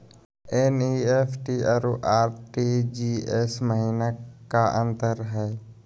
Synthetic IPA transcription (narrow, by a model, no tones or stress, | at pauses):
eniepʰʈiaɾuʔaːɾʈid͡ʒiːesməɦiːnakaʔə̃nt̪əɾɦɛː